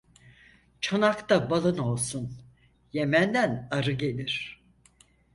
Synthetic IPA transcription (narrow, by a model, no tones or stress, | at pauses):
t͡ʃʰanakt̪abalˠɯno̞lˠsun | jemænd̪ænaɾɯɟe̞lʲiɾ̝̥